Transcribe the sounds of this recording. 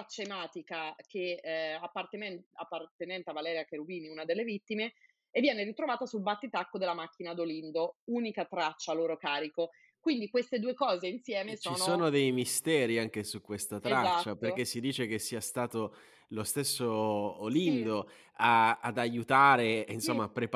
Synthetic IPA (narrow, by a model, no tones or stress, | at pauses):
at͡ʃːaemaːt̪ikakʰeapːart̪eɛapːart̪enɛnt̪eavalɛːɾjakeɾubiːniunad̪elːevit̪ːimeː | vːjɛːneɾit̪ɾovaːt̪asulbat̪ːit̪akːod̪elːamak̟ːinad̪olind̪ouːnikat̪ɾat͡ʃːalːoːɾokaːɾiko | kwind̪ikwest̪ed̪uːekɔːzeinsjɛːmest͡ʃoiːnosoːnod̪ejmist̪ɛːɾiaŋk̟esukːwest̪at̪ɾat͡ʃaːaperk̟esːid̪iːt͡ʃekesːiːast̪aːt̪o | lost̪esːoolind̪o | aad̪ajut̪aːɾeinsomːaːpːɾep